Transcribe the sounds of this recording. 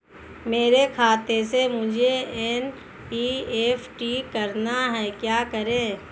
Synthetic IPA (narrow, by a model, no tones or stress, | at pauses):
meːɾekʰaːt̪esemʊd͡ʒʱeɛːn | iːeːfʈikɐɾnaɦɛːkjaːkəɾẽː